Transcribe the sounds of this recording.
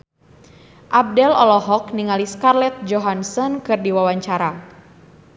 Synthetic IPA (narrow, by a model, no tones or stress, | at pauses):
ʔab̚dɛlɔlɔɦɔkniŋaliskarlɛt̪̚d͡ʒɔɦansɔnkɨrdiwawaɲt͡ʃaɾa